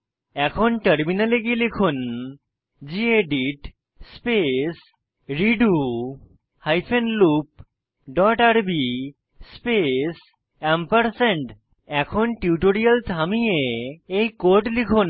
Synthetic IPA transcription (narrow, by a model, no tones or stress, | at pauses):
ɛkʰonʈəɾminaleɡilikʰun | d͡ʑieɖiʈ | spes | ɾiɖu | hajpʰenlup̚ | ɖɔʈaɾbi | spes | ɛmpəɾseɳʈ | ɛkʰonʈiuʈoɾialt̪ʰamieejkoɾʈlikʰun